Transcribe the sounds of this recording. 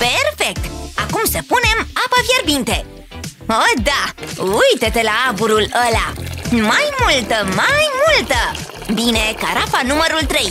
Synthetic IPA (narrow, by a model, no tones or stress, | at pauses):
pe̞rfe̞k̚t̪akumsəpune̞mapəvje̞rbint̪e̞ | od̪aujt̪et̪e̞laabuɾuləlamajmult̪əmajmult̪ə | bine̞kaɾafanuməɾult̪ɾe̞j